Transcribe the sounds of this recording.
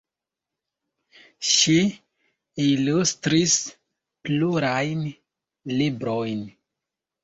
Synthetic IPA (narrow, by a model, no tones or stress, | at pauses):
ʃi | ilustɾis | pluɾajn | libɾojn